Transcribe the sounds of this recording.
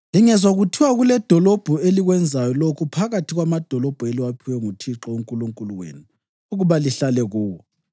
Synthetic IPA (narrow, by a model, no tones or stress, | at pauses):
liŋɛzwaɣutʰiwaɣulɛd̥ʱɔlɔb̥ʱueliɣwɛnd͡zʱajɔlokʰupʰaɣatʰiɣwamad̥ʱɔlɔb̥ʱueliwapʰiwɛŋutʰiǁɔuŋkʼuluŋkʼuluwḛːnu | uɣuβaliɬalɛɣuːwɔ